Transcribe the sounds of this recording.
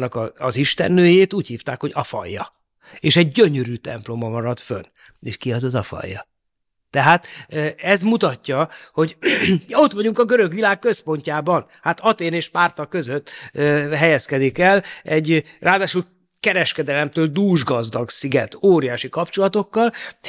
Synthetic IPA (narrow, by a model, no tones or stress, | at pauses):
nːɒkɒːziʃt̪ɛ̰nːøːjeːt̪uːchiːft̪aːkho̞ɟɒfɒ̰jːɒ̰ | eːʃɛɟːøɲøɾyːt̪ɛ̰mplo̞mɒmɒɾɒt̪fø̰n | ḛʃkiɒzɒzɒfɒ̰jːɒ̰ | t̪ɛɦaːt̪ːɛzmut̪ɒcːɒho̞ɟo̞t̪ʋɒɟuŋkɒɡøɾø̞ɡʋilaːkkø̞spo̞ɲcaːbɒn | hat̪ɒt̪eːneːʃpaːrt̪ɒkø̞zøt̪ːøɦɛjɛskɛd̪ikɛlɛɟrʔaːd̪aːʃul | kɛɾɛʃkɛd̪ɛlɛmt̪øːld̪uːʒɡɒzd̪ɒɡsiɡɛt̪oːɾijaːʃikɒpt͡ʃo̞lɒt̪o̞kːɒl